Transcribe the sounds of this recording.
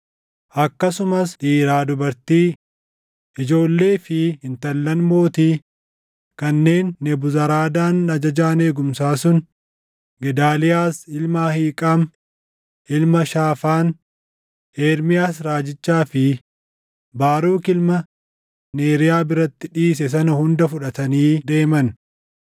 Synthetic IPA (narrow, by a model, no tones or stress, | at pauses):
ʔɐkːɐsʊmɐsᶑiːɾaːd̪ʊbɐɾt̪iː | ʔɪd͡ʒo̞ːlːe̞ːfɪhɪnt̪ɐlːɐnmo̞ːt̪iː | kɐnːe̞ːnːɛbʊzɐɾaːd̪aːnːɐd͡ʒɐd͡ʒaːne̞ːɡʊmsaːsʊn | ɡɛd̪aːlɪjaːsɪlmaːhiːkʼaːm | ɪlmɐʃaːfaːn | eːɾmɪjaːs̬ɾaːd͡ʒɪt͡ʃːaːfɪ | baːɾuːkɪlmɐ | ne̞ːɾɪjaːbɪɾɐt̪ːɪᶑiːs̬ɛs̬ɐnɐhʊnd̪ɐfʊᶑɐt̪ɐniːd̪e̞ːmɐn